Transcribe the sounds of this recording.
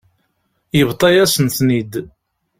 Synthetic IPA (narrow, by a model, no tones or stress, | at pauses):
jəvt̪ˤːɑjæsənθnid̪